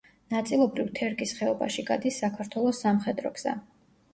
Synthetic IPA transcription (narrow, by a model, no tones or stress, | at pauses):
nat̪sʼilˠɔbɾivt̪ʰɛɾkʼisχɛɔba̰ʃiɡa̰d̪isːakʰaɾt̪ʰwɛlˠɔsːamχɛd̪ɾɔ̰ɡz̥a̰